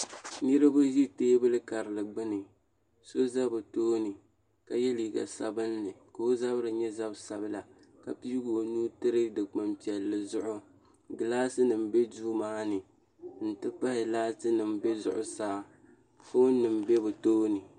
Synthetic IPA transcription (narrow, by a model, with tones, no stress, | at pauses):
nɨ˦ɾɨ˦bo˦zi˦teː˦bɨ˦lɨ˦ka˨ɾɨ˨lɨ˨ɡ͡bɨ˦nɨ˨ | so˦za˦bɨ˨toː˦nɨ˨ | ka˨jɛ˦liː˨ɡa̰˨sa˨bɨ˦nːɨ˨ko˨˦o˦za˦bɨ˦ɾɨ˨ɲɛ˦za˦bsa˦bɨ˦la˨ | ka˨pi˦ɡo˨nuː˦tɨ˦ɾɨ˦dɨ˨k͡pɨ˦mpi˨ɛ˨lːɨ˦zʊ˦ʔʊ˦ | ɡɨ˨laː˦sɨ˦nɨ˨m˨bɛ˦duː˦maː˦nɨ˨ | n̩˨tɨ˦pa˦hɪ˨laː˦tɨ˦nɨ˨mbɛ˦zʊ̰˨ʔʊ˦saː˦ | fo˦nɨ˨m˨bɛ˦bɨ˨toː˦nɨ˨